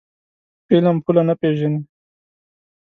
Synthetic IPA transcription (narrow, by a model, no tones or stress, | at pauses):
pelampʰulanapeʒani